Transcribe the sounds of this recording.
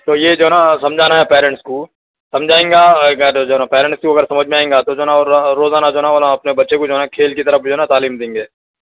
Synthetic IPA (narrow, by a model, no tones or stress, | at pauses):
t̪oːjed͡ʒoːɦɛnasɐmd͡ʒʱaːnaɦɛpɛːɾɛ̃ɳʈsko | sɐ̃md͡ʒʱaːẽːŋɡaɡəɾd͡ʒoːɦnapɛːɾɛ̃ɳʈskoɐɡəɾsɐməd͡ʒʱmẽaːẽːŋɡat̪od͡ʒoːɦnaɾɾːoːzaːnad͡ʒoɦɛnaʋoːnaɐpnebɐtːʃekod͡ʒoːɦɛnakʰeːlkit̪ɐɾəfd͡ʒoːɦɛnat̪aːliːmd̪ẽːŋɡeː